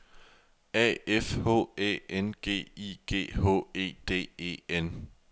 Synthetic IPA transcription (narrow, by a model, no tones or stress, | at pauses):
ɛ̰ːefho̝̰ːḛːenɡ̥e̝̰ːiɡ̥e̝̰ːho̰ːe̝̰ːd̥e̝̰ːe̝̰ːen